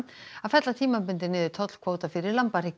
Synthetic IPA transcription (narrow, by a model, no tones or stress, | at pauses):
afɛt̪lat̪ʰiːmapʏnt̪ɪnɪðɪt̪ʰɔt̪l̥kʰvoːwt̪afɪɾɪɾlampaɾ̥ɪk